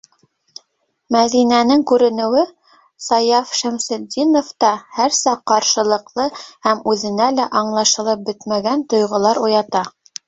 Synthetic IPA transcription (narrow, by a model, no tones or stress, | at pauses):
mæðinænɘŋkʉɾɘ̆nɘ̆wɘ | sɑjɑfʃæmsɘ̆d̪ʲinoft̪ɑhæɾsɑqːɑɾʃɤ̆lˠɤ̆qlˠɤhæmʉðɘ̆nælæʔɑɴlˠɑʃɤ̆lˠɤp̚bɘt̪mæɡænt̪ŏjʁŏlˠɑɾujɑt̪ɑ